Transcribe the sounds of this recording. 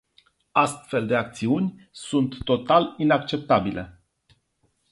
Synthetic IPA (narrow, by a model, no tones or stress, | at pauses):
ast̪fe̞ld̪e̞ak̚t̪siunʲsunt̪ːo̞t̪alinak̚t͡ʃe̞p̚t̪abile̞